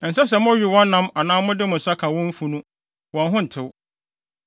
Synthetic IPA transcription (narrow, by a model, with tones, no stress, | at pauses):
n̩˨sɛ˦s̬ɛ˨mʊ̃˦ɥi˨wɔ̃˦nːã˦ma˨nãː˦mʊ̃˦dɪ˦mʊ̃˨sa˦kʰã˨wɔ̃˦m̩˦fu˦nũ˦ | wɔ̃˨n˦ɦʊ̃˦n̩˨tʰɪ˨w